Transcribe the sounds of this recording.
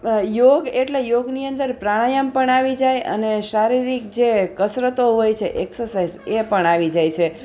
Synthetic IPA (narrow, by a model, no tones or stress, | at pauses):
joɡeʈlejoɡniənd̪əɾpɾaɽ̃ajampəɳaʋid͡ʒajə̰neʃaɾiɾik̚d͡ʒekəsɾət̪oɦojt͡ʃʰeʔeksəɾsajzepəɳ̃aʋid͡ʒajt͡ʃʰe